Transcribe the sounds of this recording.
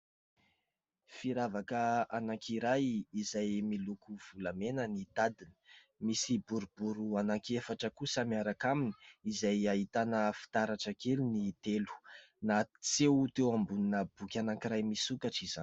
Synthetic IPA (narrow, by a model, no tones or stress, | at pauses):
fiɾavakəanaŋkʰiɾajizajmilukuv̥ulamenənit̪ad̪inə̥ | misibuɾubuɾuanaŋkefaʈ͡ʂəkusəmiaɾakamini̥izajaɦit̪anəfi̥t̪aɾaʈ͡ʂəkelunit̪elu̥ | nat͡sewt̪ewambuninəb̥ukʲanaŋkiɾajmisukaʈ͡ʂiz̥an